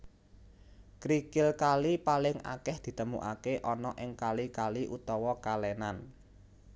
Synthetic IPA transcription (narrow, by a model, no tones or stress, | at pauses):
kɾikɪlkalipalɪŋa̰kɛhd̪̥i̤t̪əmṵʔakeʔɔnɔʔɪŋkalikaliʔut̪ɔwɔkalɛnan